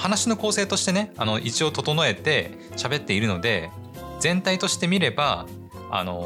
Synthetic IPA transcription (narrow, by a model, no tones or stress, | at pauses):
hanaɕino̞ko̞ːse̞ːt̪o̞ɕi̥t̪e̞ne̞ano̞ʔit͡ɕio̞t̪o̞t̪o̞no̞e̞t̪e̞ | ɕabe̞t̪ːe̞iɾɯ̟no̞d̪e̞ | zẽ̞nt̪ait̪o̞ɕi̥t̪e̞mʲiɾe̞ba | a̰no̞̰